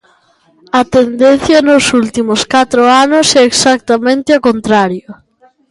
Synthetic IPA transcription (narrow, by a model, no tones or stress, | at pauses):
ɐt̪end̪en̟θjɐnʊsult̪imʊskat̪ɾʊanʊsɛeksak̚t̪amẽnt̪ɪakont̪ɾaɾjʊ